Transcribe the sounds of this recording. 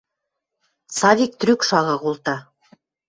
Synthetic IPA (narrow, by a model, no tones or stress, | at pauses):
sɑvʲik̚t̪ɾykʃɑʁɤ̆ʁulˠt̪ɑ